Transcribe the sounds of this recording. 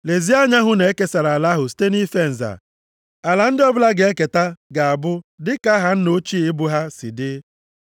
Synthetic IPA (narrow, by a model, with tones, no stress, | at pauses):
le˨zi˦a˦ɲa˦ɦʊ˦ne˨e˦ke˦sa˨ɾa˨a˨la˦ɦʊ˨ste˦ni˦fe˦n̩˨za̰˨ | a˨la˨n̩˦dɪ˦ɔ˦bʊ˦la˦ɡe˨e˦ke˨ta˦ɡa˨a˨bʊ˦dɪ˦ka˦ɦa˦n̩˦no˦t͡ʃi˦ɪ˦bʊ˦ɦa˦sḭ˨dɪ˦